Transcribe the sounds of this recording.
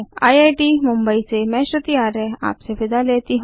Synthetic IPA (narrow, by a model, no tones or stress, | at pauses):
a̰jajʈimumbəit͡semɛ̃ɕət̪iaɾea̰ːpseʋɪd̪alet̪iɦ